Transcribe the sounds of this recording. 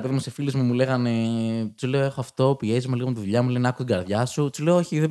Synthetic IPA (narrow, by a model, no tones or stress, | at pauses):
peðimusefilizmumule̞ɣɐne̞sule̞oe̞xoɐft̪o̞pie̞zimuliɣomt̪iðuʎɐmulenɐkut̪iɡɐɾðʝɐsusule̞ooçiðe